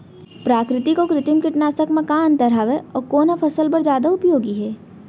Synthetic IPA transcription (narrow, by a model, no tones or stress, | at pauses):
pɾaːkɾɪt̪ikokɾɪt̪ɪmkɪʈnaːsəkmɐkaːnt̪ɐɾaʋeɔːɾkoːnapʰɐsəlpɐɾd͡ʒjaːd̪aʊpjoːɡiɦɛː